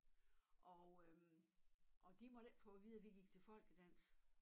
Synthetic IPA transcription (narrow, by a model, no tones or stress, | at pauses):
ʔɒ | ʔɒ̽d̥imɒɾ̥efɔʋiðˠəʋiɡ̥iɡ̥t͡sʰe̝lfɒ̽l̰ɡ̥əd̥æn̰s